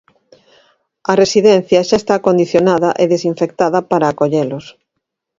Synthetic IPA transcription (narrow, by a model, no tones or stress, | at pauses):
ɐresiðɛn̟θjɐʃaest̪akond̪iθjonaðɐʔeðesiɱfekt̪aðɐpaɾaːkoʎelʊs